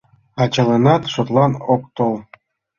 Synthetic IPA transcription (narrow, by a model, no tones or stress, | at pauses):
ɑt͡ɕəlenɑt̪ʃot̪lɑnokt̪ol